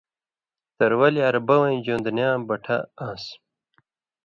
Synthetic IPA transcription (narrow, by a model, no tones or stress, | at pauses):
t̪ɐɾwɐliɐɾbɐwɐ̃d͡ʑõːnd̪njãːbɐʈʰɐãːs